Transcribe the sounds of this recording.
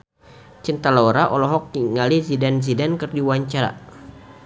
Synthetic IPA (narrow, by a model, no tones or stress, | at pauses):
t͡ʃint̪alauɾaʔɔlɔɦɔk̚ːiŋalizidanzidankɨrdiwaɲt͡ʃaɾa̰